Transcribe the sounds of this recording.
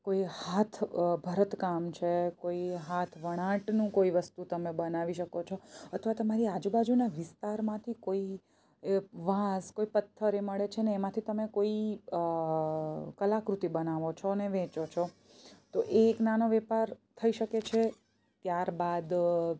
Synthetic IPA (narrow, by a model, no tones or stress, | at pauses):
koihat̪ʰbʱəɾət̪kamt͡ʃʰekoiɦat̪ʰʋəɽ̃ãʈnũkoiʋəst̪ut̪əmebənaʋiʃəkot͡ʃʰoət̪ʰʋat̪əmaɾiad͡ʒubad͡ʒunaʋɪst̪aɾmãt̪ʰikoi | ʋãskoipət̪ʰːəɾeməɭet͡ʃʰeneːmãt̪ʰit̪əmekoi | kəlakɾut̪ibənaʋot͡ʃʰoneʋɛ̃t͡ʃot͡ʃʰo | t̪oʔeːknanoʋɛpaɾt̪ʰəiʃəket͡ʃʰe | t̪jaɾbad̪